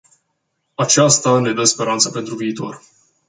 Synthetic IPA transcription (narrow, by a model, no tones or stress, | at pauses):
at͡ʃast̪ane̞d̪əspe̞ɾant̪səpe̞nt̪ɾuviːt̪o̞r